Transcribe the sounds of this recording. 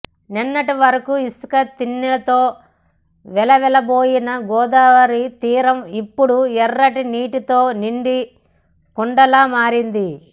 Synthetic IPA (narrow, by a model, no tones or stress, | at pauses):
ninːɐʈiʋɐɾɐkuiskɐt̪inːilɐt̪o̞ː | ʋɛlɐʋɛlɐboːjinɐɡɔːd̪aːʋɐɾit̪iːɾɐmipːuɽuɛrːɐʈiniːʈit̪o̞ːniɳɖi | kuɳɖɐlaːmaːɾind̪i